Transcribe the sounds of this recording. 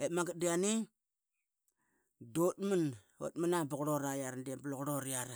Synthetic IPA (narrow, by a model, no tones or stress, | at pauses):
etmaŋɡadiani | dot̚mun | o̰tmənabuɣɾoɾajaɾandiabloɣɾoɾiaɾa